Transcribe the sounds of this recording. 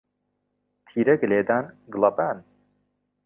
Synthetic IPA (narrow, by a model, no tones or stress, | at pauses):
t̪ʰiːɾɛɡleːd̪anɡɨlˠɐbæːn